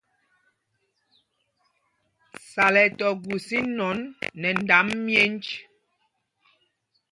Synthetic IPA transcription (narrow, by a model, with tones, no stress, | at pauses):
sa˨lɛ˨tɔ˨ɡu˨si˦nɔ˨˦nːɛ˨n˨da˨˦mːjɛ˦n˦t͡ʃ